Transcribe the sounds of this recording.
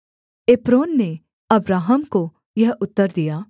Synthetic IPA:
eːpɾoːnːe | ɐbɾaːɦəmko | jɐɦʊt̪ːəɾd̪ijaː

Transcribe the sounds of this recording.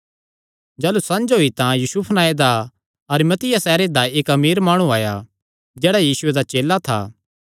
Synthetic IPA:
d͡ʒɛːlusɐ̃nd͡ʒɦoːit̪ãjuːsuːpʰnaːed̪a | ɐɾimɐt̪ɪjasɛːɾed̪aeːkɐmiːɾmaːɽ̃ũaːja | d͡ʒɛːɽajiːsʊed̪at͡ʃeːlat̪ʰa̰ː

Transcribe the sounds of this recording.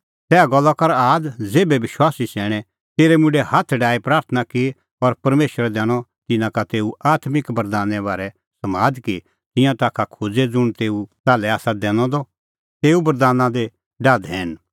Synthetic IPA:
t̪ɛːaɡɔlːakɐɾaːd͡zeːbɛʋɪʃwaːsisɛːɽ̃ɛ | t̪eːɾɛmʊ̃ɖɛhat̪ʰɖaːipɾaːɾt̪ʰənaki | ɔɾpɐɾmeːʃəɾɛd̪ɛːɽ̃ɔt̪ɪnãkat̪eːuaːt̪mɪkbɐɾd̪aːnɛβaːɾɛ | sɐmaːd̪ki | t̪ɪ̃jãt̪aːkʰakʰod͡zed͡zʊɽ̃t̪eːut̪aːlɛaːsad̪ɛ̃ːñɔ̃d̪ɔ | t̪eːubɐɾd̪aːnãd̪e | ɖaːd̪ɦɛ̃ːn

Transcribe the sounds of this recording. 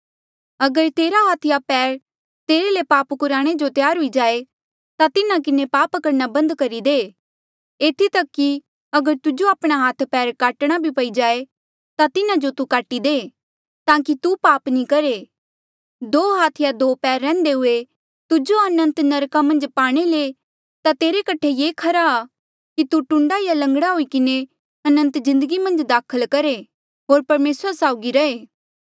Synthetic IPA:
ɐɡəɾt̪eːɾaɦaːt̪ʰɪjapɛːɾ | t̪eːɾelepaːpkʊɾaːɽ̃ed͡ʒot̪jaːɾɦʊid͡ʒaːe | t̪at̪ɪnãk̬ɪnepaːpkɐɾnabɐ̃nd̪kɐɾid̪eː | eːt̪ʰit̪ɐkːi | ɐɡəɾt̪ʊd͡ʒoaːpɽ̃aɦaːt̪ʰpɛːɾkaːʈɽ̃abʱipɐid͡ʒaːe | t̪at̪ɪnãd͡ʒot̪ukaːʈid̪eː | t̪ãːkit̪upaːpnĩkɐɾe | d̪oːɦaːt̪ʰjad̪oːpɛːɾːɛ̃ːnd̪eɦʊe | t̪ʊd͡ʒoɐnə̃nt̪nɐɾkamɐ̃nd͡ʒpaːɽ̃ele | t̪at̪eːɾekɐʈʰejeːkʰɐɾaː | kit̪uʈʊ̃ɳɖajalɐ̃ŋɡɽaɦoikɪne | tɐnə̃nt̪zɪ̃nd̪əɡimɐ̃nd͡ʒd̪aːkʰəlkɐɾe | ɦoːɾpɐɾmeːsɾasaːʊɡiɾɐeː

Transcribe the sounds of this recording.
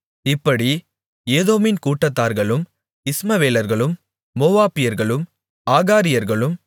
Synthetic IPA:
ɪpːɐɽi | eːðoːmɪnkuːʈːɐt̪ːaːɾɣɐɭɯm | ɪsmɐʋeːlɐɾɣɐɭɯmː | oːʋaːpɪjɐɾɣɐɭɯm | aːɣaːɾɪjɐɾɣɐɭɯm

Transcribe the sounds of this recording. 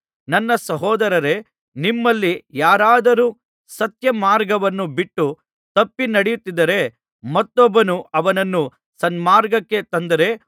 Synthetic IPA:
nɐnːɐsɐɦɔːd̪ɐɾɐɾe̞ | nimːɐlːijaːɾaːd̪ɐɾuː | sɐt̪jɐmaːɾɡɐʋɐnːubiʈːu | t̪ɐpːinɐɽejut̪ːid̪ɐɾe̞ | mɐt̪ːɔbːɐnuɐʋɐnɐnːu | sɐnmaːɾɡɐkːe̞t̪ɐnd̪ɐɾe̞

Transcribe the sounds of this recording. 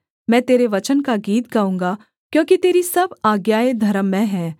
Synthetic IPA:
mɛ̃ːt̪eːɾeʋɐt͡ʃənkaɡiːt̪̚ɡaũːŋɡa | kjõːkit̪eːɾisɐbaːɡjaːed̪ʱɐɾəmːɛ̃ɦɛ̃ː

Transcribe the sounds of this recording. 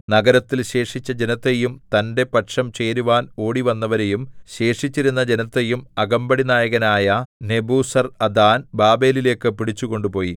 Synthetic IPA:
nɐɡɐɾɐt̪ːilɕe̞ːʂit͡ɕːɐd͡ʑe̞nɐt̪ːejumt̪ɐnde̞pɐʈʂɐmt͡ɕe̞ːɾuʋaːno̞ːɽiʋɐnːɐʋɐɾe̞jumɕe̞ːʂit͡ɕːiɾun̪ːɐd͡ʑenɐt̪ːe̞jumɐɡɐmbɐɽinaːjɐɣɐnaːjɐne̞buːsɐrɐd̪aːnbaːbe̞ːlile̞ːkːɨpiɽit͡ɕːuɣo̞ɳɖupo̞ːji

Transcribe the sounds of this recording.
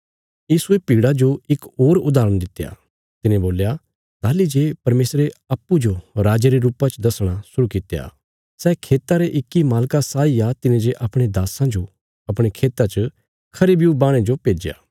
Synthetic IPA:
jiːsuepiːɽad͡ʒoɪkoːɾʊd̪aːɾəɽ̃d̪ɪt̪ːeja̰ | t̪ɪnẽboːlja | t̪aːlid͡ʒepɐɾmeːsɾeɐpːud͡ʒoɾaːd͡ʒeɾeɾuːpat͡ʃd̪ɐsɽ̃asʊɾukɪt̪ːeja̰ː | sɛːkʰeːt̪aɾeʔɪkːimaːlkasaːiat̪ɪnẽd͡ʒeʔɐpɽ̃ed̪aːsãd͡ʒo | ɐp̬ɽ̃ekʰeːt̪at͡ʃə | kʰɐɾibjubaːɽ̃ẽd͡ʒopeːd͡ʒja̰ː

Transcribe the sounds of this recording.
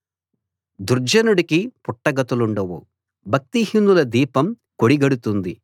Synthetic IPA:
d̪uɾd͡ʒɐnuɽikipuʈːɐɡɐt̪uluɳɖɐʋṵ | bʱɐk̚t̪ihinːulɐd̪iːpɐm | koɽiɡɐɽut̪und̪i

